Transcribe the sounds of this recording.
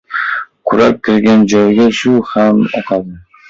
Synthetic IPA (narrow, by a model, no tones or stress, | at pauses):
kʰʊɾak̚ʲkʲʰɪɾɡʲand͡ʒɒjɡʲaʃʊhamɒ̰qʰɑd̪ɪ